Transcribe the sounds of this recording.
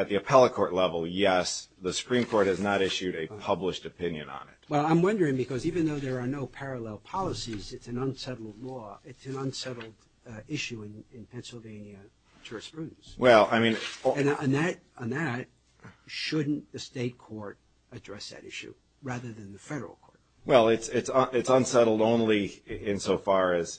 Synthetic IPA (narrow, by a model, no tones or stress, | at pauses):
ɨt̪̚ðiɨpʰɛlˠəkʰɔɹʔˡlɛvl̩ˠjɛsðəsə̥pʰɹ̥ĩmkʰɔɹt̚hɨznəɾɪʃʉɾɨpʰʌbləʃtɨpʰɪ̃njɨ̰̃nə̰̃nɪ̰t̚wɛlˠãɪ̃mwʌ̃ndə˞ɪ̃ŋbɨkʰʌzivɨ̃nðoʊðə˞ːnoʊpʰɛɹəlɛlˠpʰɑlˠəsizɨtsɨ̃nʌ̃nsɛɾl̩ˠdˡlɔɪtsɨ̃nʌ̃nsɛɾl̩ˠd | ɪʃʉɨ̃nɪ̃npʰɛ̃nsl̩ˠvẽɪ̃njɨ | t͡ʃʰɜ˞ɨspʰɹ̥ʉdⁿn̩swɛlˠa̰ɪmĩnɨ̃nə̃nðɨɾə̃nðɨt̚ | ʃʊdⁿn̩ðɨsteɪt̚kʰɔɹɾ | ɨdɹɛsðɨ̰ɾɪ̰ʃʉ̰ | ɹæðə˞ðɨ̃nðɨfɛɾə˞l̩ˠkʰɔɹt̚ | wɛlˠɪtsɪtsʌɪtsʌ̃nsɛɾl̩ˠdõʊ̃nliɪ̃nsoʊfɑɹɨz̥